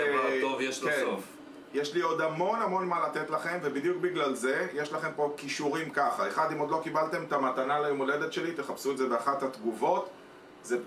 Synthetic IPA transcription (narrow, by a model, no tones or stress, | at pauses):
ovjeʃlesof | jeʃlio̞d̪hamo̞namo̞nmalat̪et̪laχe̞mvebid̪jukbiɡlalze̞jeʃlaχe̞mpo̞kiʃuʁimkaχaeχad̪imo̞d̪lo̞kibalt̪e̞mt̪amat̪analajomole̞d̪e̞t̪ʃe̞lit̪e̞χapsuetdzebeaχat̪hat̪ɡuvo̞t̪ | ze